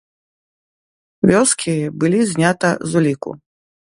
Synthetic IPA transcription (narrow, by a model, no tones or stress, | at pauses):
vʲɔskʲʰibɨlʲizʲnʲat̪ɐzulʲikṵ